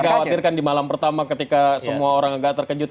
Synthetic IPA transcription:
kawat̪irkandimalampərt̪amakət̪ikasəmuaoɾaŋaɡaʔt̪ərkəd͡ʒʊt̪̚

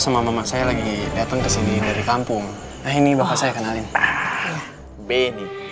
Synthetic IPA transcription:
samamamasajalaɡidat̪aŋkəsinidaɾikampʊŋ | nahinibapasajakənalɪn | beni

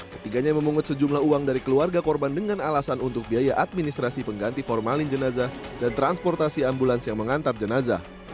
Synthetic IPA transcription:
kə̥t̪ikaɲaməmuŋʊt̪səd͡ʒumlahuaŋdaɾikəluarɡakɔrbandəŋanalasanunt̪ʊk̚biajaʔat̪̚minist̪ɾasipəŋɡant̪ifɔrmalɪnd͡ʒənazadant̪ɾanspɔrt̪asiambulansjaŋməŋant̪ap̚d͡ʒənaza̰

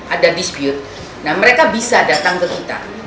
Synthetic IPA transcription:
ʔadadispjut̪̚ | nahməɾekabisadat̪aŋkəkit̪a̰

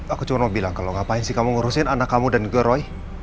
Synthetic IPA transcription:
akut͡ʃumanmabilaŋkaloŋapaɪnsihkamuŋuɾusɪnanakːamudanɡuaɾɔi

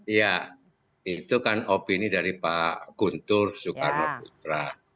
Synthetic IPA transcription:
ja | it̪ukanopinidaɾipaɡ̥unt̪ʊrsukarnakut̪ɾa

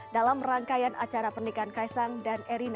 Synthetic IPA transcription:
dalamraŋkajanat͡ʃaɾapərnikankajsaŋdaneɾina

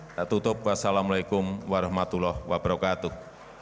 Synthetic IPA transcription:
t̪aʔt̪ut̪ʊp̚wasalamulaikʊmwaɾahmat̪ulɔhwab̥ɾɔkat̪u

